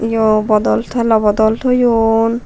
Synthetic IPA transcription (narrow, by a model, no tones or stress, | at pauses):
jobɔd̪ɔlt̪ʰɔɛlɔbɔd̪ɔlt̪ʰɔjon